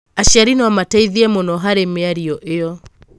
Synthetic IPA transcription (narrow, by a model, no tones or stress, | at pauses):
aʃaɾinwamataiðiɛmɔnɔɦaɾemeaɾiɔʔeɔ